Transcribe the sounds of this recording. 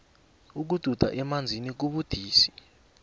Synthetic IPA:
uk̬ud̥ʱud̥ʱa̰ʔɛmand͡zʱinik̬uɓud̥ʱiːsi̥

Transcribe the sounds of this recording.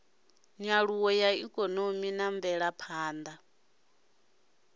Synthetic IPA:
ɲaɺuwɔjaikʼɔnominaɱvɛɺapʰaːnd̪a

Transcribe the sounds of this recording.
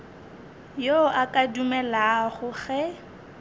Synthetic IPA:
joʔakʼadumɛlaχʊɣɛ

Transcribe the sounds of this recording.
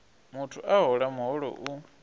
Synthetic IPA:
mutʰuʔaɦɔɺamuɦɔɺɔ̰ʔu

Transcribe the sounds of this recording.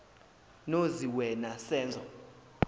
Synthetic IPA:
noziwɛnasɛːnd͡zʱɔ

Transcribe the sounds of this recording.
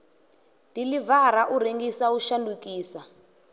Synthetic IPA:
dilivaɾaʔureŋɡisauʃandukiːsa

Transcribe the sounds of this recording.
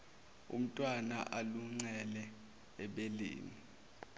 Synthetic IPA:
ṵm̩tʼwana̰ʔaluŋ͡ǀɛlɛ | ɛɓelḛːni

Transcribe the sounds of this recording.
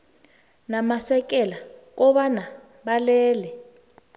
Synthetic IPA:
namasɛkɛlak̬ɔβana | ɓalɛːlɛ

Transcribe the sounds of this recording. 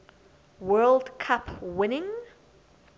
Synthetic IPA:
wɜːlˠdkʰapwɪnɪ̃ŋ

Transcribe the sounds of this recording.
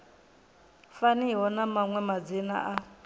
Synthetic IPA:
faniɦɔnamaŋwɛmad͡zina̰ʔa

